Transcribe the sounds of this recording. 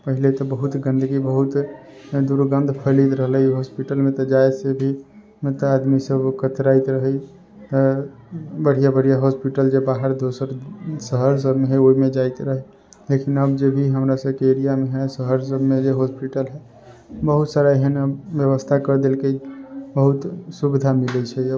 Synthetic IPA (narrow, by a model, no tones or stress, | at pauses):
pəɦilet̪ɔbəɦut̪ɡə̃nd̪əɡibəɦut̪d̪uɾɡə̃nd̪ʱpʰəlit̪ɾəɦəlɦiɦospiʈəlmet̪ɔd͡ʒaesebʱi | mẽt̪ad̪misəbkət̪ɾait̪ɾəɦə | t̪ | bəɽ̤ijabəɽ̤ijaɦospiʈəld͡ʒebaɦəɾd̪osəɾsəɦəɾs̬əbmeɦɛoimed͡ʒait̪ɾəɦɛ | lekʰinəbd͡ʒebʱiɦəmɾasəbkeeɾijameɦɛsəɦəɾsəbmed͡ʒeɦospiʈəlɦɛ | bəɦut̪saɾaeɦənəbjəβəst̪ʰakəɾd̪elkebəɦut̪subid̪ʱamilɛt͡ʃʰɛə